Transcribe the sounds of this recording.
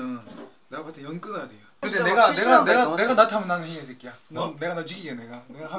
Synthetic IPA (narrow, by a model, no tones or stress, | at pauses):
ɯ | ne̞ɡakɯatʰejʌnk͈ɯnʌjade̞jokɯndene̞ɡane̞ɡaneɡane̞ɡanatʰamjʌnaɡɦeŋedʰek͈ejane̞ɡanat͡ɕiɡiɡene̞ɡaneɡaha